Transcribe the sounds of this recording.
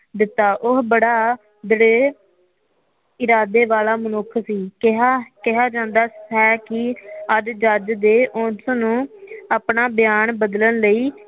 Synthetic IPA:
d̪ɪt̪ːaːʔʊɦbəɽaː | d̪əɽeː | ɪɾaːd̪eːʋaːlaːmənʊkʰsiːkɦkɪɦaːd͡ʒãːnd̪aːɛːkɪəd͡ʒd͡ʒəd͡ʒd̪eːʔʊ̃nsnũːaːpnaːbɪjaːnbəd̪lənləiː

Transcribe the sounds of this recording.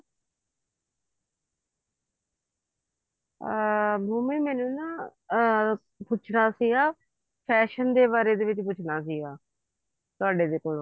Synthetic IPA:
bʱuːmĩːmɛːnũːnãː | pʊt͡ʃʰnaːsiːaː | pʰɛːʃənd̪eːbaːɾeːd̪eːʋɪt͡ʃpʊt͡ʃʰnaːs̬iːaː | t̪ʊaːɖeːd̪eːkoːlo

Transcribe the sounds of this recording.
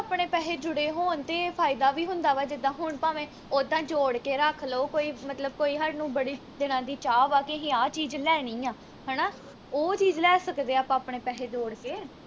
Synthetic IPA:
aːpɳeːpɛːɦeːd͡ʒʊɽeːɦoːnt̪eːpʰaːɪd̪aːʋiːɦʊ̃nd̪aːʋaːd͡ʒɪd̪ãːɦʊɳpaːʋẽː | od̪ãːd͡ʒoːɽkeːɾəkʰloːkoːiːmət̪ləbkoːiːɦəɾnũːbəɽiː | d̪ɪnãːd̪iːt͡ʃaːʋaːkɪɦẽːaːt͡ʃiːd͡ʒlɛːnĩːaː | ɦɛːnaː | oːt͡ʃiːd͡ʒlɛːsəkd̪eːaːpãːpɳeːpɛːɦeːd͡ʒoːɽkeː

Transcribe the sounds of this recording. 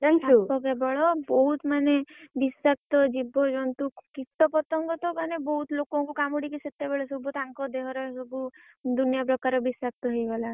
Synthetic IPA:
aŋkaukɔkebɔɭɔbɔɦut̪manebisak̚t̪ɔd͡ʒibod͡ʒɔnt̪ukit̪ːɔpɔt̪ɔŋɡɔt̪ɔbanebɔɦut̪lokõkukamuɽikisət̪ːebeɭɔsəbʱut̪ãŋkɔd̪eɦɔɾɔsɔbu | d̪unjapɾɔkaɾɔbisak̚t̪ɔɦəiɡɔla

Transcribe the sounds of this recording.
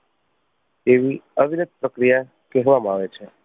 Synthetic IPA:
eʋiəʋinɪd̪̚ʱpɾəkɾija | kɛɦʋamaʋet͡ʃʰe

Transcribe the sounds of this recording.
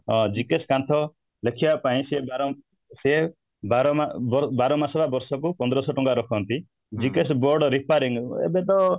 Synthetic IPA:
d͡ʒikeskant̪ʰɔ | lekʰibapaĩsebaɾɔ | seɦe | baɾɔmabɔbaɾɔmasɔbabɔɾsɔkupɔnd̪ɾɔsɔʈɔŋɡaɾɔkʰɔnt̪i | d͡ʒikesbɔɾɖɔɾipʰaɾiŋḛbet̪ɔ

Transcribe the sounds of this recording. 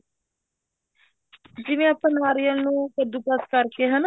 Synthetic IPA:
d͡ʒɪʋẽːapə̃naːɾɪjəlnũːkəɾd̪uːpəskəɾkeɦən

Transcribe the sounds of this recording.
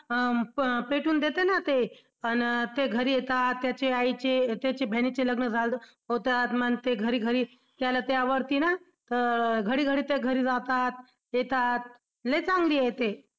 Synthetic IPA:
peʈuːnd̪et̪enat̪e | ənt̪eɡʱəɾiːjet̪at̪ːjat͡ɕeait͡ɕet̪jat͡ɕebʱenit͡ɕeləɡnəd͡zʱal | ɦot̪at̪mənt̪eɡʱəɾiːɡʱəɾiː | t̪jalat̪eaʋəɾt̪iːna | t̪əɾɡʱəɽiːɡʱəɽiːt̪eɡʱəɾiːd͡zat̪at̪̚ | jet̪at̪̚ | let͡sãŋɡliːet̪e

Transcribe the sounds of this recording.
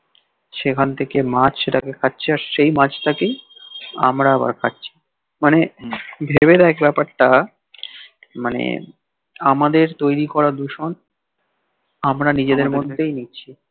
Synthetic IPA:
ʃekʰant̪ʰekemat͡ɕʰeʈakekʰatːɕʰeaɾʃejmat͡ɕʈake | a̰mɾaɛba̰ɾkʰatːɕʰi̥ | manebʱebed̪ɛekbɛpaɾʈa | manḛ | amad̪eɾt̪ojɾikɔɾad̪uʃon | amɾanid͡ʑed̪eɾmod̪ʱːejniːɕʰi

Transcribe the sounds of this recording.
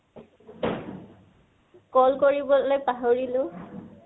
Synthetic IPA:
kɔlkoɹibɔlojpaɦoɹilʊ

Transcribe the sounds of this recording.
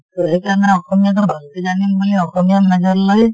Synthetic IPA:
t̪uekanaɔxɔmijat̪̬ɔbʱalt̪ed͡ʒanimboliɔxɔmijamnad͡ʒɔɾlɔj

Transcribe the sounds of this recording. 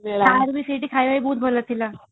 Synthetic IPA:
meaːɾbisiʈikʰaiʋaibʱuːt̪̚bʱolət̪ʰːila

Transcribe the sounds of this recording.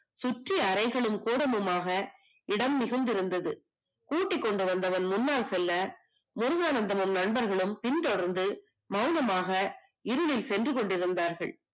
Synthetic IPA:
sʊʈriɐɾɐɪɣɐɭɯmkuːɽɐmɯmaːɣɐ | ɪɽɐmːɪɣɯnd̪ɪɾɯnd̪ɐðɯ | kuːʈːɪkːɔɳɖɯʋɐnd̪ɐʋɐnmʊnːaːlsɛlːɐ | mʊɾʊɣaːnɐnd̪ɐmɯmnɐɳbɐɾɣɐɭɯmpɪnt̪ɔɽɐɾnd̪ɯ | mɐʊnɐmaːɣɐ | ɪɾɯɭɪlsɛndrɯkɔɳɖɪɾɯnd̪aːɾɣɐ̰ɭ

